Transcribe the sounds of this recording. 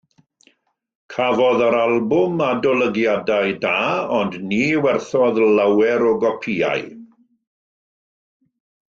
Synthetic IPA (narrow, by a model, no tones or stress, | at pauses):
kʰavɔðəɾalˠbʊmadɔlˠəɡjadajdaːɔndniːwɛrθɔðlawɛɾɔɡɔpʰia̰j